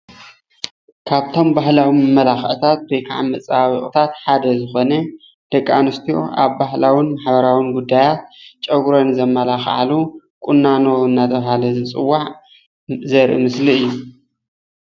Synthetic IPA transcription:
kʰaβt̪ʰo̞mbaɦlawimɨmːɐlaxʔt̪ʰat̪̚bejkʰaʕamːɐt͡sʼaaβiʔʼt̪ʰat̪ħad̪ɐzɨxo̞nɐ | d̪̥ɐkʼːa̰nɨst̪ʰijo̰ʔa̰βbaɦlawinmaħbɐɾawinɡud̪ːajat̪̚t͡ʃʼɐɡɾonzɐmːɐlaxʕa̰lu | kʼunːano̞ɨnːat̪ʰɐβɦalɐzɨt͡sʼɨwːaʕ | zɐɾʔḭmɨsliɨjːu

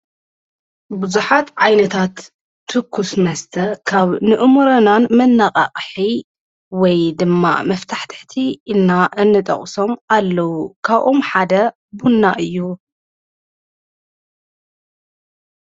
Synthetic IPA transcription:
bɨzuħat̪ʕajnɐt̪ʰat̪ʰː | ɨkʰːusmɐst̪ʰɐkʰaβnɨʔɨmuɾɐnanmɐnːaqʼa̰qʼħi | wɔjd̪ɨmːa̰mɐft̪ʰaħt̪ʰɨ̥ħt̪ʰiːlnaʔɨnːɨt̪ʼɐ̰χʼso̞malːɐwukʰaβʔo̞mħad̪ɐ | bunːaʔɨjːu

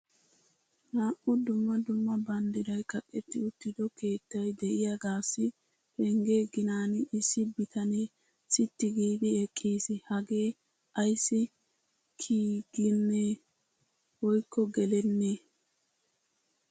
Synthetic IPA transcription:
naːʔʊd̪ʊmːɐd̪ʊmːɐbɐnd̪ɪdɐjkɐkʼːɛt̪ːɪʊt̪ːɪd̪ɔke̞ːt̪ːɐjd̪ɛʔɪjaɡaːsːɪ | pɛŋɡeːɡɪnaːnɪsːɪbɪt̪ʰɐneː | sɪt̪ːɪɡiːbɛɛkʼːiːsɪhɐɡe̞ː | ʔɐjsːɪ | kʰiːɡɪnːeː | wɔjkʰːɔɡɛlɛnːeː

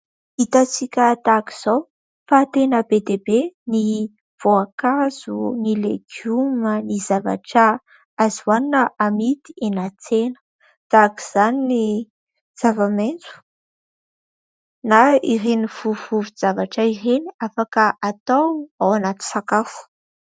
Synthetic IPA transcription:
it̪at͡sikʲət̪aki̥z̥aw | fat̪enəbed̪ebeni | v̥oakaz̥unilḛɡ̥jumənizava̰ʈ͡ʂa | azwaninəʔamit̪i̥enat͡senə̥ | t̪aki̥z̥anini | z̥avament͡su̥ | naireniv̥uvuvuz̥avaʈ͡ʂaireniafakəʔat̪awawanat̪i̥sakafu̥

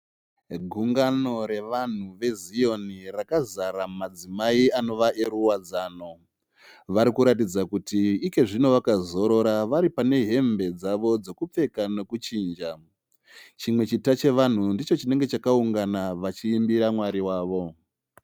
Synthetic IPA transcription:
ɡʱuŋɡano̞ɾe̞ʋan̤uʋe̞zijo̞nirakazaɾammad͡zimaiano̞ʋaʔe̞ɾuwad͡zaːno̞ | ʋaɾikuɾat̬id͡zakutiike̞ʐino̞ʋakazo̞ɾo̞ɾaʋaɾipane̞ɦe̞mbe̞d͡zaʋo̞d͡zo̞kup͡fe̞kano̞kut͡ʃiːnd͡ʒa | t͡ʃimwe̞t͡ʃitat͡ʃe̞ʋan̤undit͡ʃo̞t͡ʃine̞ŋɡe̞t͡ʃakauŋɡanaʋat͡ʃiːmbiɾamwaɾiwaːʋo̞

